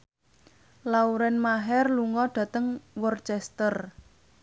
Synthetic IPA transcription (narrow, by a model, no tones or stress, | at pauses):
lauɾɛnmaɦɛrluŋɔɖ̥ä̤t̪əŋwɔrt͡ʃɛst̪ər